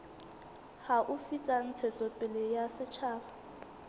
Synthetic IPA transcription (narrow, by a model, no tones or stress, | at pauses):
haʔufit͡sʼan̩t͡sʰɛt͡sʼɔpʼɪlɛjasɪt͡ʃʰaːba